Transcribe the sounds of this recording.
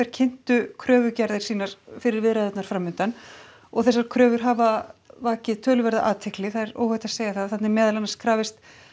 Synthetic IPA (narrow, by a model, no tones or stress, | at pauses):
ɛɾ̥cʰɪn̥t̪ʏkʰɾœːvʏcaɾðɪɾ̥siːnaɾ̥fɪɾɪɾvɪðɾaðɛt̪naɾfɾaːmːʏnt̪an | ɔɣθɛsːaɾ̥kʰɾœːvʏɾ̥ɦavavaːcɪðt̪ʰœːlʏvɛɾðaʔaːt̪ʰɪhklɪθaðɛɾo̰ːwhœht̪aseːjɣaθaðθat̪nɪmɛːðalanaskʰɾaːvɪst̪